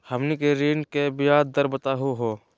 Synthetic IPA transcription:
həmnikeɾiːnkebɪjaːd̪̚ːəɾbət̪aːɦoɦoː

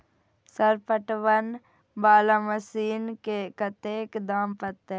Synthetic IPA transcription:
səɾpəʈʋən | baːlaməsiːnkekət̪eːkd̪aːmpət̪ːe

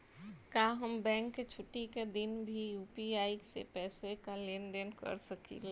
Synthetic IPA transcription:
kaːɦəmbɛ̃ːŋkːet͡ʃʰʊʈːiked̪ɪnbʱijuːpiaːiksḛpɛːsekaleːnd̪enkə̰ɾsəkḭl

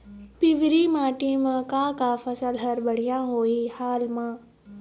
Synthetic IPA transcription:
pɪʋɾiːmãːʈiːmãkakaːfɐsəlɦɐɾbɐɽ̤ijãːɦoːihaːlmãː

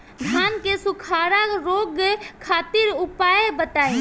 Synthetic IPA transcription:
d̪ʱaːnkesukʰaːɾaɾoːɡkʰaːt̪ɪɾʊpaːebət̪aːi

